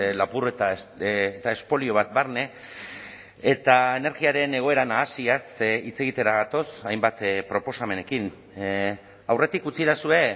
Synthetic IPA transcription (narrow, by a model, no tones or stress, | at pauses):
lapuret̪a | t̪ae̞spo̞lio̞β̞at̪̚baɾne̞ | et̪aene̞ɾɣiaɾe̞ne̞ɣ̞o̞e̞ɾanaːsiasit͡se̞ɣ̞it̪e̞ɾaɣat̪o̞sajmbat̪pɾo̞po̞same̞ne̞kin | awre̞t̪ikut͡siðasue̞